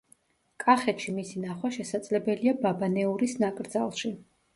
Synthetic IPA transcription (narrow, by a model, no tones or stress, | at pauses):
kʼaχɛt̪ʃimisinaχwaʃɛsad̪zlɛbɛliababanɛuɾisnakʼɾd̪za̰lˠʃi